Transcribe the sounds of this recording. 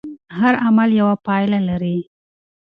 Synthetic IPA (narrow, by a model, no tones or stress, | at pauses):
haɾamaljawapɑjlalaɾi